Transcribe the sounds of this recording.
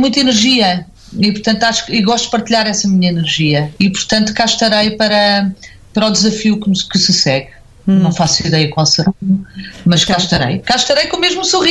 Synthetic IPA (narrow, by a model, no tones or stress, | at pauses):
mũj̃t̪̬ɐinɨɾʒiɐ | ipʊɾt̪ɐ̃nt̪uaʃkiɣɔʃt̪ud̪pɐɾt̪iʎaɾɛsɐmiɲɐinɨɾʒiɐipʊɾt̪ɐ̃nt̪u̥kaʃt̪ɐɾɐjpɐɾɐ | pɐɾɔd̪zɐfiukkɨsɨsɛɣ | nɐ̃w̃fasiðɛjɐkwalˠsɨɾanumɐʃkkaʃt̪ɐɾɐ̰jkaʃt̪ɐɾɐjkõmeʒmusuʁi